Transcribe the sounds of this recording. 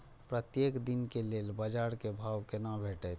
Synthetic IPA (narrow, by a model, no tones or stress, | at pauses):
pɾət̪jekd̪inkelelbəd͡ʒaɾkebʱawkenabʱeʈət̪ʰ